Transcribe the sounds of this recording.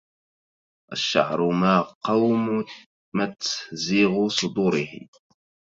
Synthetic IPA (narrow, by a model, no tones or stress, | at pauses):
ʔa̰ʃːa̰ʕɾˤʊmaːqɑwm | mat̪ziɣʊsˤʊd̪uːɾɪhɪ̰